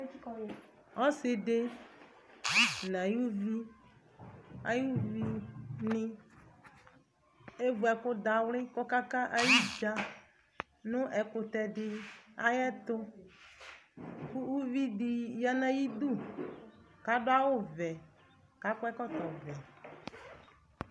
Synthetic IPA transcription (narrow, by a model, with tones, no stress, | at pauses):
ɔ˦sɪ˨de˦ | n˨a˨ju˦vi˦ | a̰˨ju˦vi˦nɪ˦ | e˦vu˨˦ɛ˨kʊ˦da˨wlɪ˦kɔ˦ka˦ka˦ʔa˨ji˦d͡ʒa˦ | nʊ̃˦ʔɛ˨kʊ˨t̪ɛ˨dɪ˦a˦jɛ˦t̪ʊ˦ | kʊ˦u˦vi˦dɪ˨ja˦nã˦ji˦du˦˨ | ka˨˦dʊ˦a˦wʊ˦vɛ˨ | ka˨˦kɛ˦kɔ˦t̪ɔ˨vɛ˨